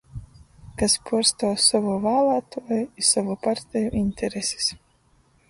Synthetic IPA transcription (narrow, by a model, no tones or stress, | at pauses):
kaspʰuɔɾst̪ɔːsavuvaːlˠaːt̪uɔjisavupaɾt̪ʲɛjuʔinʲt̪ʰʲɛɾesʲi̥s